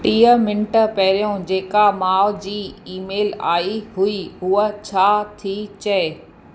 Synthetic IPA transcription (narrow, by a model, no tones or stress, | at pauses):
ʈiːəmɪ̃ɳʈəpɐɦɪɾijõd͡ʑeːkamaːʊd͡ʑiːiːmeːla̰ːiɦuiɦuət͡ɕʰaːt̪ʰit͡ɕɐe